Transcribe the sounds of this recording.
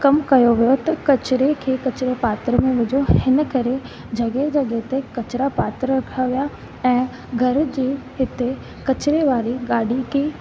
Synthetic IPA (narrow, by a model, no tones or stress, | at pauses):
kɐmkɐjoʋijot̪ɐkɐt͡ɕɪɾekʰeːkɐt͡ɕɪɾepaːt̪ɾəmẽʋɪd͡ʑʱohɪnə̆kɐɾe | d͡ʑɐɡed͡ʑɐɠet̪ekɐt͡ɕɪɾapaːt̪ɾəɾɐkʰaʋija | ɛ̃ː | ɡʱɐɾd͡ʑiːɦɪt̪e | kɐt͡ɕɪɾeʋaːɾiɡaːɽikʰeː